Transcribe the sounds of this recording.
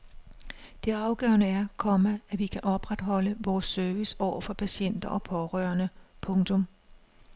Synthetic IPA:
d̥e̝ɑ̈ʊɡ̥ɶːɐnəæɐkʰɒ̽məæʋikʰæʔɒ̽b̥ʁad̥ɦɒ̽ləʋɒːsːøɐʋisɒʊ̰ɐfɒ̽pʰæɕen̰d̥ɐʔɒ̽pʰɒ̽ʁœːɐnəpʰɔ̽ŋt͡sʰɔ̽m

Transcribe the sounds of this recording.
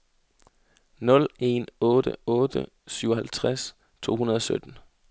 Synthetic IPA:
nɔ̽le̝nɔ̽ːd̥ə̰ɔ̽ːd̥ə̰ | syʊɐɦælt͡sʰʁas | t͡sʰo̝̰ːhunɐðˠɒ̽sød̥n̩

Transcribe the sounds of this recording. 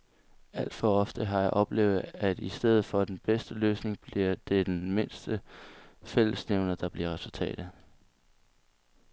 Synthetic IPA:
æl̰d̥fɒ̽ɒ̽fd̥əɦɑ̈jɑ̈ɪʔɒ̽b̥le̝ːʊð̩ˠæd̥isd̥eð̰̩ˠfɒ̽d̥enb̥esd̥əløːsne̝ŋb̥liɐ̰d̥e̝d̥enme̝n̰sd̥ə | fel̰əsneʊnɐd̥ɑ̈b̥liɐʁɛsult͡sʰɛ̰ːd̥ð

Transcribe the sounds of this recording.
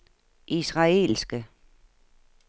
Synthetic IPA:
ʔisʁɑ̈e̝̰lsɡ̥ə

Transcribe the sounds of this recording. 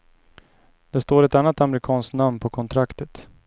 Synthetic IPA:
d̪̥ɛst̪oːɾɛt̪anːat̪amɛɾɪkʰɑːnsktnamnpʰɔkʰɔnt̪ʰɾakt̪ət̪

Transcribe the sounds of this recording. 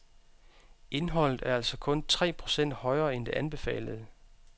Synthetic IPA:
e̝nɦɒ̽l̰ð̩ˠæɐæl̰sɒ̽kʰɔ̽nt͡sʰʁɛ̰ːpʰʁo̝̥sen̰d̥hɒ̽ɪɐːend̥e̝ʔænb̥e̝fɛ̰ːləð̞̩ˠ

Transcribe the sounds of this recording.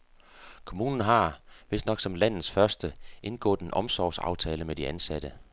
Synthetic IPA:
kʰo̝muːnn̩ɦɑ̈ʋe̝snɒ̽ɡ̥sɒ̽mlæn̰ð̩ˠsfɶɐsd̥əʔe̝nɡ̥ɔ̰̽ːðˠe̝nʔɒ̽msɒʊsɑ̈ʊt͡sʰɛːləmed̥iænsæɾ̥ə

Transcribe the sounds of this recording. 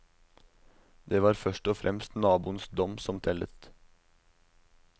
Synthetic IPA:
d̪eːʋɑːɾfœʃʈɔfɾʔɛ̰mst̪nɑːbṵːənsd̪ɔmsɔmt̪ʰɛlə̰t̪

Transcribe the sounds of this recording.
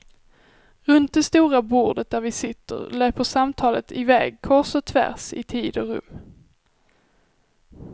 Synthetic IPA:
ɾɵnt̪̚d̪ɛst̪uːɾabuːɖət̪̚d̪æɾvɪsɪt̪ʰːə̰ɾløːpəʂamt̪ʰɑːlət̪ʰɪvɛ̰ːɡkʰɔʂɔt̪ʰvæ̰ɾsɪ̰t̪ʰiːd̪ɔɾɵ̰mː

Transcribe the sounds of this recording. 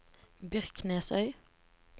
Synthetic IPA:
bʏʁkneːsœʏ

